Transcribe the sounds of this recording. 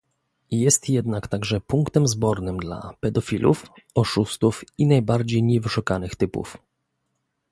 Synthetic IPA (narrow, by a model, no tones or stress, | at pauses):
jɛst̪jɛd̪nakt̪aɡʐɛpuŋkt̪ɛmzbɔɾnɘmd̪la̰pɛd̪ɔfʲilʔṵfɔʂust̪ufinajbaɾd͡ʑejɲɛvɘʂukanɘxt̪ɘpṵf